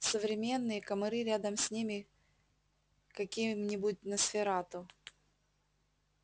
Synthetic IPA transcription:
səvɾʲɪmʲe̞nːɨjəkəmɐɾɨɾʲad̪əmsʲnʲimʲɪ | kɐkʲimnʲɪbʊt̚ʲnəsfʲɪɾat̪ʊ

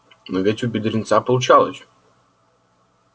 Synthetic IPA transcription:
novʲetʲʊbʲɪd̪ʲɾʲɪnt̪sapəlˠʊt͡ɕalˠəsʲ

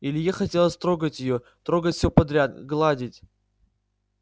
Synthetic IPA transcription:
ilʲɪjaxɐtʲelˠəsʲt̪ɾoɡətʲjɪjo | t̪ɾoɡətʲsʲopɐd̪ɾʲat̪ɡlˠadʲɪtʲ

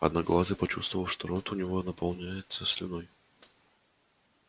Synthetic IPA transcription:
ɐ̰d̪naɡlˠazʲəpɐt͡ɕṵst̪vəvəlˠʂt̪oɾot̪ʊnʲɪvonəpɐlˠnʲajɪt̪səsʲlʲɪ̰noj

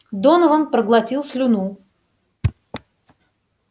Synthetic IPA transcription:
d̪onəvəmpɾəɡlˠɐtʲilˠsʲlʲʊnu

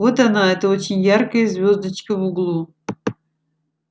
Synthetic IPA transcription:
ot̪ɐnaɛt̪əot͡ɕɪnʲjarkəjəzvʲo̞zd̪ət͡ɕkəvuɡlˠu

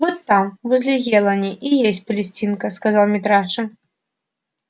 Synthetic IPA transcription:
vɔt̪ːamvɨzʲlʲiɣʲɛlˠɐnʲiʔijesʲt͡sʲpɐlʲɪsʲt͡sʲinkɐskazalˠmʲɪt̪ɾaʂɐ

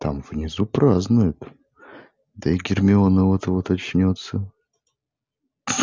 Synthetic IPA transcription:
t̪a̰mvnʲɪzupɾaznʊjʊt̪ | d̪əɪɡʲɪrmʲɪonəvot̪əvot̪ɐt͡ɕnʲot̪sːə

